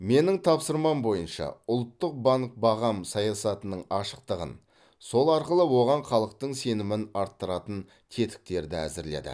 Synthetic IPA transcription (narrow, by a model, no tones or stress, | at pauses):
me̞nɪŋt̪ʰɑpsəɾmɑmbo̞jənʃɑ̰ʊlˠt̪ːəq̚bɑŋk̚bɑʁɑmsɑjɑsɑt̪ənəɴɑʃə̥q̚t̪əʁə̰n | so̞lˠɑɾqəlˠəwo̞ʁɑɴχɑlˠəq̚t̪əɴse̞nɪmɪnɑɾt̪ːəɾɑt̪ən | kʲʰe̞t̪ɪ̥k̚t̪e̞ɾd̪ɪæ̰zɪɾle̞̰d̪ɪ̰